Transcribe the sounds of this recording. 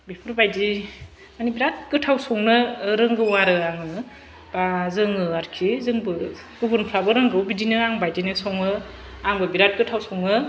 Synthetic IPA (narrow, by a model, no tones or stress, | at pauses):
bipʰɯɾbajdi | manibiɾat̚kɯtʰawsɔŋnɯɾɯŋɡɯwaɾɯaŋɯɯ | b̥azɯŋɯaɾkʰizɯŋbɯ | ɡ̥ɯbunpʰɾabɯɾɯŋɡɯwbidinɯaŋbajdinɯsɔŋɯ | aŋbɯbiɾat̚kɯtʰawsɔŋnɯ